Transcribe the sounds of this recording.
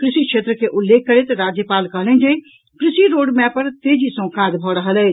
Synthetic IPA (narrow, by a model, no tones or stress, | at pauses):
kɾɪsikʃʰeːt̪ɾəkeʔʊlːeːk̚ʰːəɾet̪ɾaːd͡ʒjəpaːlkəɦlə̃nd͡ʒe | kɾɪsiɾoːɖmɛ̃pəɾt̪eːd͡ʒisə̃ːkãːd̪bʱɔɽəɦəlɛ